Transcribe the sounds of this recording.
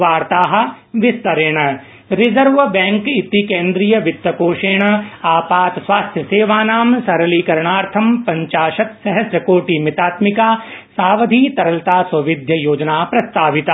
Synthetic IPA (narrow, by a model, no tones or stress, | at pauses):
ʋaːɾt̪aːɦɐ̆ | ʋɪst̪ɐɾeːɳ̃ | ɾɪzɐɾʋbɛ̃ːŋkit̪ikẽːnd̪ɾijɐʋɪt̪ʋɐkoːʃeːɳ̃aːpaːt̪sʋaːst̪ʰjɐseːʋaːnaːmsɐɾɐliːkɐɾɳ̃aːɾt̪ʰɐmpɐ̃ɲt͡ʃaːʃɐt̪sɐɦɐsjɐkoːʈiːmɪt̪aːt̪mɪkaːsaːʋɐd̪ʱiːt̪ɐɾɐlt̪aːsʋɐʋɪd̪ʱjɐjoːd͡ʒnaːpɾɐst̪aːʋɪt̪a